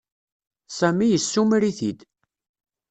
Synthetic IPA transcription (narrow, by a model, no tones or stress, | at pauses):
sæmijəsːumɾiθid̪